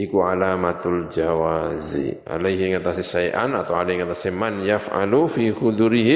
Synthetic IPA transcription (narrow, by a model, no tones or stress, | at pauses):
ikuʕalaːmat̪ald͡ʒawazḭa̰lajɦiŋat̪asisajʔa̰nat̪awalajɦiŋat̪asimanjafʕa̰lufiːxud̪uɾiɦi